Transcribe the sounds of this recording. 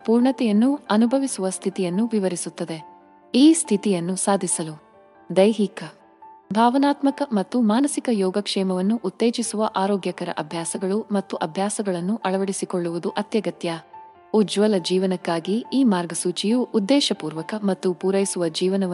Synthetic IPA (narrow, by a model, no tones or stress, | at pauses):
puːɾɳɐt̪ɛjɐnːuɐnubʱɐʋisuʋɐst̪ʰit̪ijɐnːuʋiʋɐɾisut̪ːɐd̪e̞ | iːst̪ʰit̪ijɐnːusaːd̪ʱisɐlu | d̪ɐjɦikɐ | bʱaːʋɐnaːt̪mɐkɐmɐt̪ːumaːnɐsikɐjɔːɡɐkʂɛːmɐʋɐnːuʔut̪ːeːt͡ʃisuʋɐʔaːɾɔːɡjɐkɐɾɐ̰ʔɐbʱjaːsɐɡɐɭumɐt̪ːuʔɐbʱjaːsɐɡɐɭɐnːuʔɐɭɐʋɐɽisikoɭːuʋud̪uʔɐt̪jɐɡɐt̪ja | ud͡ʒʋɐlɐd͡ʒiːʋɐnɐkːaːɡiiːmaːɾɡɐsuːt͡ʃijuːd̪ːɛːʃɐpuːɾʋɐkɐmɐt̪ːupuːɾɐjisuʋɐd͡ʒiːʋɐnɐʋ